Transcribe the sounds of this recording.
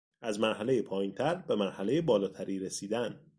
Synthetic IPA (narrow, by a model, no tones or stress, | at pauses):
æzmæɾɦæle̞jepʰɒːjiːnt̪ʰæɾbe̞mæɾhæle̞jebɒːlɒːt̪ʰæɾiːɾesiːd̪æn